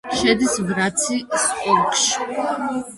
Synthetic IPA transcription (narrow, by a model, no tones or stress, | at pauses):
ʃɛd̪isvɾat̪sʰispʼɔɾkʼʃi̥